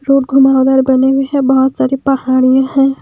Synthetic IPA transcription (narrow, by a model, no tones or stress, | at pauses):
ɾuːʈɡʱʊmaːwd̪aːɾbɐneweɦɛ̃bɐɦʊt̪saːɾipɐhaːɽ̃ijãɦɛ̃ː